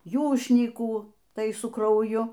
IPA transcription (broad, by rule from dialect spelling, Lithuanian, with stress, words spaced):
ˈjuːʃʲnʲiːkuː ˈtɐɪ sʊ krɐʊˈjʊ